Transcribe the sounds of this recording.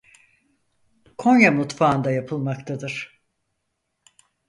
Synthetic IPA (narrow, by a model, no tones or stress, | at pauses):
kʰo̞njamut̪faːnd̪ajapʰɯlˠmakt̪ʰad̪ɯɾ̥